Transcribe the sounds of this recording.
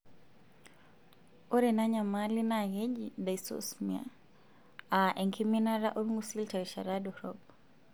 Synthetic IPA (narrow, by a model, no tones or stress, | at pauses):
ɔɾɛnaɲamalinajɛd͡ʒidaisɔ̰smia̰ | aʔɛŋkʰiminaɾaʔɔɾuŋɡusiltaiʃaɾadɔhɾɔb